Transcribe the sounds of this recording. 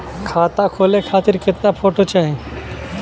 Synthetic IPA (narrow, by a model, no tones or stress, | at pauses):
kʰaːt̪akʰoːlekʰaːt̪ɪɾkɪt̪napʰoːʈot͡ʃaːɦẽː